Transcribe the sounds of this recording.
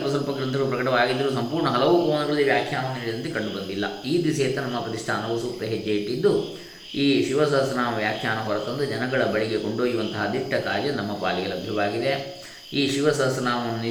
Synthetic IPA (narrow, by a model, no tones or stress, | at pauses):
pɐsɐlpɐɡɾɐnt̪ʰɐɐɭupɾɐkɐʈɐʋaːɡid̪ːɐɾuːs̬ɐmpuːɾɳɐɦɐlɐʋukoːnɐɡɐɭɐlːiʋjaːkʰjaːnɐnːɐniːɽid̪ɐnt̪ekɐɳɖubɐnd̪ilːɐ̰iːd̪isɛjɐt̪ːɐnɐmːɐpɾɐt̪iʂʈʰaːnɐʋɐsuːp̪ːɐɦed͡ʒːejiʈːid̪ːu | iːʃiʋɐsɐɦɐsːnaːʋuʋjaːkʰjaːnɐbɐɾɐt̪ːɐnd̪ud͡ʒɐnɐɡɐɭɐbɐɭiɡe̞koɳɖoːjuʋɐnt̪ɐɦɐd̪ikʈɐkaːd͡ʒjɐnɐmːɐpa̰ːliɡɐlɐbʱjɐʋaːɡid̪e | iːʃiʋɐsɐɦɐsːnaːʋuni